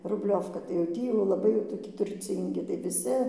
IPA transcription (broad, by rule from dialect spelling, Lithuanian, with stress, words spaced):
rʊbʲˈlʲoːwkɐ tɐɪ jɛʊ ˈtʲiː jɛʊ lˠɐˈbɐɪ jɛʊ toːˈkʲɪ tʊrʲˈt͡sʲiːŋʲɡʲɪ tɐɪ ʋʲɪˈsʲɪ